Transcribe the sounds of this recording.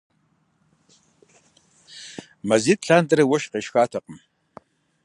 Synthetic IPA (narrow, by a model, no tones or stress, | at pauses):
mɐziːtɬaːntʼɐɾɐwɐʃqeːʃxaːtʰɐqəm